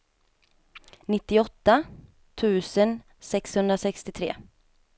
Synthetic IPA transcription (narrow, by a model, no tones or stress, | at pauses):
nɪt̪ːɪɔt̪ːa | t̪ʰʉ̟ːsən | sɛkshɵnd̪ɾasɛkst̪ɪt̪ʰɾḛː